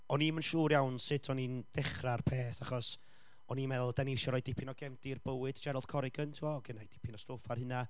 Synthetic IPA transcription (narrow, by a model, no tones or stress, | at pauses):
ɔniːmənʃuːɾjawnsɪtʰɔnind̥ɛχrarpʰeːθaχɔs | ɔniːmɛðʊlˠd̥aniʃɔɾɔːjdɪpʰɪnɔɡɛmtirbəwɨd̥d͡ʒɛɾʊlˠd̥kʰɔɾɪɡəntʰuːɔɡənajd̥ɪ̥pʰɪnɔstoːfarhɨna